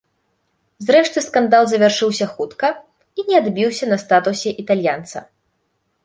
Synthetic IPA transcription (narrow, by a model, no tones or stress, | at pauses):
zɾɛʂt̪ɨskand̪alˠzɐvʲarʂɨwsʲɐxut̪kɐ | inʲɛad̪bʲiwsʲɐnɐst̪at̪usʲɛʔit̪alʲjant̪sɐ̰